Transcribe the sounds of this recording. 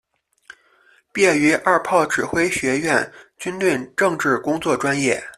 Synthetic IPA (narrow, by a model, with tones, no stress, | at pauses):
pjɛ˥˩y˧˥ʔa˥˧pʰɑ˥˩ʊʈ͡ʂɻ̩˨˩xwe˥ɪɕɥɛ˧˥ɥɛ˥˩nt͡ɕy˥nt̪we˥˧ɪʈ͡ʂɤ˥˧ŋʈ͡ʂɻ̩˥˩kʊ˥ŋt͡swɔ˥˩ʈ͡ʂwa˥njɛ˥˩